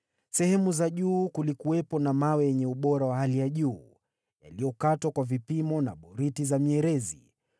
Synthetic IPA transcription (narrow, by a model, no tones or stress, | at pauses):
sɛhɛmuzaʄuːkulikuwɛpɔnamawɛjɛɲɛuɓɔɾawahalijaʄuː | ja̰lijɔkatwakwavipimɔnaɓɔɾitizamiɛɾɛzḭ